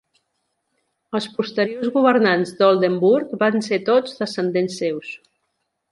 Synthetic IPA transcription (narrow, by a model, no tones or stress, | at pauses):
əlˠspust̪əɾiozɣuβ̞əɾnanzd̪olˠd̪embuɾkbanset̪od͡zðəsənd̪ensːews